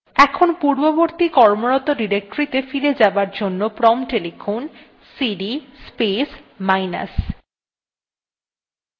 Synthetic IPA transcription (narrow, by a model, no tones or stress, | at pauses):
ɛkʰonpuɾboboɾt̪ikɔɾmoɾɔt̪oɖiɾek̚ʈoɾit̪efiɾed͡ʑabaɾd͡ʑonːopɾɔmʈelifʰon | siɖispesmajna̰s